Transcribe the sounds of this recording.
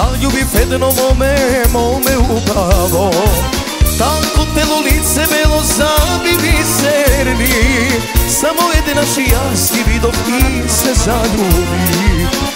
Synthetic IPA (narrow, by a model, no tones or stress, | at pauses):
aʎubipɛd̪nomɔmɛmomɛubɾalo | t̪akot̪elolit̪sɛbɛlozabivisɛɾni | samoɛd̪ɛnaʃija | skivid̪ok | i | sɛzaʎubi